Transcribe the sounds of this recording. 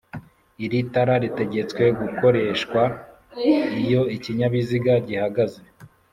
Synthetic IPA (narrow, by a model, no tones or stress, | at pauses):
iɾitaɾaɾite̞ɟe̞t͡swe̞ɡuko̞ɾe̞ʃkwa | ijo̞iciɲaβiziɡaɟihaɡaze̞